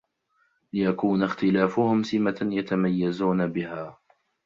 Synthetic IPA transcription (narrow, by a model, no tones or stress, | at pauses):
lɪjakuːnaxt̪ɪlaːfʊhʊmsɪmajat̪amajːazuːnabɪhaː